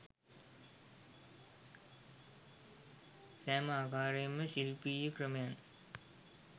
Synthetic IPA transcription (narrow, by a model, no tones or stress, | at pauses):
sæːmaːkaːɾejəməɕilpiːjəkrəmejan